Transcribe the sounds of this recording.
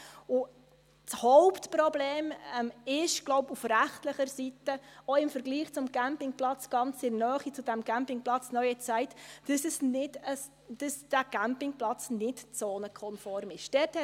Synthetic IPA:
ʊ | t͡shɔʊptpɾɔbleːmɛmɪʃɡ̥lɔʊpufɾæχtləχəɾsitəɔɪmfəɾɡliːχt͡sʊmɡæmpɪŋplɑt͡sɡ̥ɑnt͡sɪɾnœːχit͡sud̥æmɡ̥æmpɪŋplɑt͡snœɥət͡sɛɪt̪d̥əsɛsnɪdə | d̥əsd̥æɡ̥æmpɪŋplɑt͡snɪtt͡soːnəkʰɔnfɔɾmɪʃd̥ɛthɛ

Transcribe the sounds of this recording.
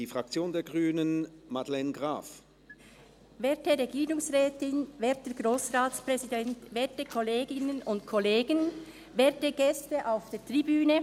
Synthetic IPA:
d̥iːfʁ̥ak̚t͡sjoːndeːɐɡʁyːnənmadlɛnɡʁa̰ːf | vɛːtəɾɛɡiːʁʊŋsʁɛːtɪnvɛːtəɡ̥ɾoːsʁaːt͡spʁɛzidɛntvɛːɐtəkʰɔleːɡɪnənʊntkʰɔleːɡən | vɛːtəɡ̥ɛstəʔaʊfd̥eːɐtʁ̥ibyːnə

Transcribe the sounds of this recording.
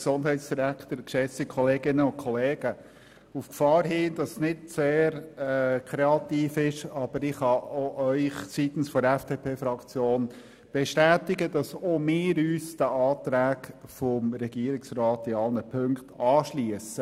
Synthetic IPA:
ksʊnd̥ɦɛɪtsd̥iɾækʰt̪əɾkʃɛt͡sikʰɔleːɡɪnːəʊkʰχɔleːɡ̥ə | ufkfɑːɾɦɪːndɑssnɪtseːɾɛkʰɾeɑt̪iːfɪʃɑb̥əɾɪχhɑoʔœʏχsit̪ən̩sfɔɾɛfd̥epʰeːfɾɑkt͡sjoːn | b̥ɛʃtæːtɪɡəd̥ɑsomɪːɾyːsd̥əʔɑːt̪ɾæːkfɔmɾɛɡ̥iːəɾɪksɾɑːt̪ɪɑlnəpʰɵŋktʰɑːʃliəsə

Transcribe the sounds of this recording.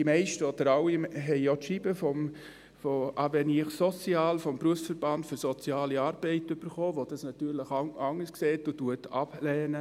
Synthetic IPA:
d̥imɛɪʃtəɔd̥əɾawiɦɛɪjɔtʃibəfɔm | foʔɑʋɛnɪχsɔt͡siaːlfɔmbɾuəfsfəɾbɑndføɾsɔt͡sjɑːliɑːɾb̥ɛɪtʏb̥əɾχoːʋod̥ɑsnɑt̪yːɾləχɑɑŋːəskseːtʊtuətɑb̥lɛːnə

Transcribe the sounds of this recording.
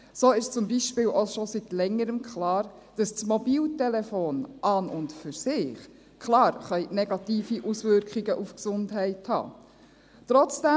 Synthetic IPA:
soːɪʃt͡sʊmbiʃpɪːlʔoʃositlɛŋːəɾəmkχlɑːɾ | d̥ɑst͡smɔbiːltɛlɛfoːnʔɑnʊntfʏɾsɪːχ | kʰlɑːɾχœʏnɛɡ̥ɑtiːfiʔusʋʏɾkχiɡəʔufksʊndɦɛɪthɑ̰ː | t̪ɾɔt͡sd̥ɛ

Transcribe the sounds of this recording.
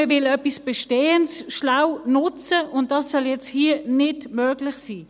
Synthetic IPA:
əvɪlœpisb̥ɛʃteːənsʃnawnʊt͡səʊnt̚d̥ɑsːœljɛt͡sthiənɪdmøːɡ̥lɪχsiː

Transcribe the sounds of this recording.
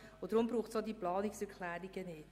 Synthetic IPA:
odɾʊmbɾuːχtsodiplɑːnɪksɛɾkʰlæːɾiɡənɪt

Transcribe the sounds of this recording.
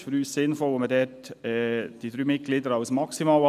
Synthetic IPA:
fɔɾyːssɪnfɔlomədɛːtː | d̥iːd̪ɾyːmɪt̪̚ɡ̥lid̪əɾɑʊsmɑksimɑlɑ

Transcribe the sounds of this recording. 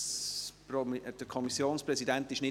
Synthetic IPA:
pd̥əkʰɔmisjoːnspɾʁɛsidɛnt̪ɪʃnɪ

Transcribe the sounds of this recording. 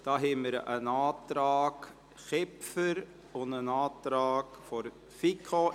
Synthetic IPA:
d̥ɑːɦɛməɾənɑːtrɑːk | χɛpfəɾ | ʊndənɑːtɾɑːkfɔɾ | fikʰo

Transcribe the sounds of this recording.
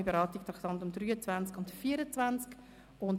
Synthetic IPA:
ibeɾɑːt̪ikt̪ʰɾɑkt̪ɑntʊmd̪ɾyːət͡svænt͡skʊntfiːəɾət͡svant͡sk | ʊn

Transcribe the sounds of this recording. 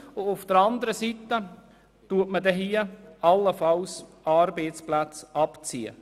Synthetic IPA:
ʊʊfd̥əɾɑnd̪əɾəsitːə | tuətmədɛɦiːəɑlːəfɑls | ɑːɾbeɪtt͡splat͡sɑpt͡siə̰

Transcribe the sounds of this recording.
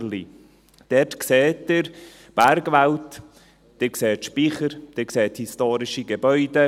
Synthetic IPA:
li | d̥ɛtkseːtːɪɾ | b̥æɾɡʋalt | d̥ekseːtʃpiχəɾd̥ekseːthistoːɾɪʃiɡebœʏdə

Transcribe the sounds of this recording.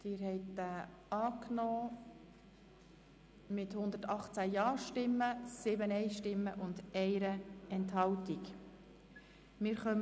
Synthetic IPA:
d̪̥ɪːɾɦɛɪtːæɑːknɔː | mɪt̪hʊnd̪ətɑχt͡sæjɑːʃtɪmːəsɪbənɛɪʃtɪmːəʔʊnd̪ɛɪɾəɛnthɑwtik | mɪːɾχœm

